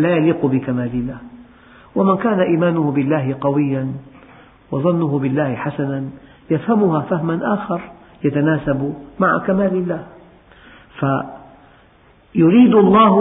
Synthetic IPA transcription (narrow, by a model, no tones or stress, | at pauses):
laːjaliːqʊbɪkamaːlɪlːaːh | wamɪnkaːnaʔiːmaːnʊhʊbɪlːaːhɪqɑwɪjːan | wɑðˤɑnːʊɦʊbɪlːaːhɪħasanan | jafhamʊhaːfahmanʔaːxɑɾˤ | jat̪anaːsabmaʕa̰kamaːlɪlːaːh | fa | jʊɾiːd̪ɑlˤːɑːh